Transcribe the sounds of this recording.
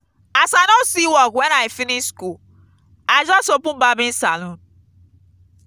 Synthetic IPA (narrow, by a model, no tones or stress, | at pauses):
asanosiwɔkwɛnaĩfinisku | ad͡ʒɔsopũbabĩn̩salɔ̃n